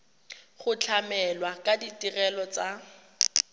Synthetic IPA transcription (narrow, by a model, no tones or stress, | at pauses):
χʊt͡ɬʰamɛlwakʼaditirɛlɔt͡sa